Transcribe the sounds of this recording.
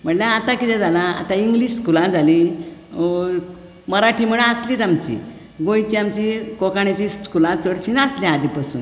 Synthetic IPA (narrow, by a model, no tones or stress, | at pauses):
m̤əɳljaat̪ãkit̪ɛ̃d͡zalaa̰t̪ãiŋɡliɕskulãd͡zʱali | məɾaʈʰim̤əɽasliːt̪amt͡ɕḭ | ɡojt͡ɕiamt͡ɕikokaɳjat͡ɕiskulãt͡səɽt͡ɕinaasljaad̪ʱipasṵːn